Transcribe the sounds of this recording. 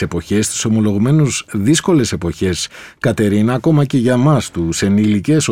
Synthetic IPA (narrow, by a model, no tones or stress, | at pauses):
e̞po̞çe̞st̪i̥so̞mo̞lo̞ɣume̞nuzðisko̞le̞se̞po̞çe̞skɐt̪e̞ɾinɐːko̞mɐce̞ʝɐmɐst̪use̞nilice̞s